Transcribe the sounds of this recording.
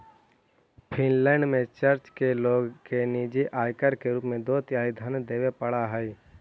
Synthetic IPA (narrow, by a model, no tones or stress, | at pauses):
pʰɪnlɛːɳɖmẽt͡ʃəɾt͡ʃkeloːɡkeniːd͡ʒeʔaːjkəɾkeɾuːpmẽd̪oːt̪jaːid̪ʱənd̪eːʋepəɽaɦɛi